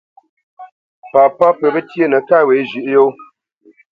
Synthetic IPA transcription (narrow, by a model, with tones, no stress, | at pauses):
pa˨pa˦pə˨bə˦tje˦˨nə˨ka˦˨we˨˦zi˨ʔjo˦